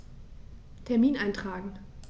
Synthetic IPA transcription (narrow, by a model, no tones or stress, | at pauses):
tʰɛɐmiːnʔaɪntʁ̥aːɡŋ̩